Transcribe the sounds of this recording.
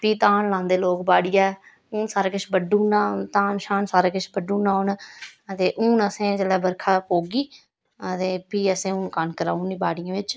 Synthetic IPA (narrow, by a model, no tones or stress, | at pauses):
piːt̪ãːnlãːnd̪eːloːkbaːɽɪjãːɛ | uːnsaːɾaːkɪʃbəɖũːnaːt̪ãːnʃaːnsaːɾaːkɪʃʰbəɖũːnaːʊnt̪eːʔuːnəsẽːd͡ʒəlɛːbəɾkʰaːpoːɡiː | ət̪eːpiːəsẽːʊːnkankəɾaːuniːbaːɽɪjãːʋɪt͡ʃ